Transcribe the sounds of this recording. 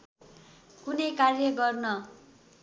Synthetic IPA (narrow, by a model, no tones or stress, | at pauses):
kunʌjkarjʌɡʌrnʌ